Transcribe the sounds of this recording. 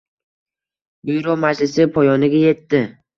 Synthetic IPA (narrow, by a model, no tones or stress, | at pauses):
ujɾomaʃlɪsɪpʰojɒnɪɡʲajet̪ːɪ